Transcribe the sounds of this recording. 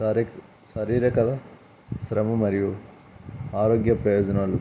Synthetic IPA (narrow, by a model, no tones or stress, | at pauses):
ɾ | sɐɾiːɾɐkɐlɐ | sɾɐmɐmɐɾiju | aːɾoːɡjɐpɾɐjoːd͡ʒɐnɐlu